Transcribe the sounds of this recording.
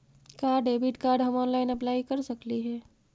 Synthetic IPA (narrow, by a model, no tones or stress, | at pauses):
kaɾɖebʱiʈkaɾɖɦəmɔnlaɪnəplaikəɾsəkliɦɛː